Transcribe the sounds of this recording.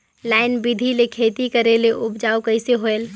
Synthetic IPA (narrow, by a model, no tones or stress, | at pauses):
laɪnbid̪ʱilekʰeːt̪ikəɾeleʔʊbd͡ʒaːukəɪseɦoel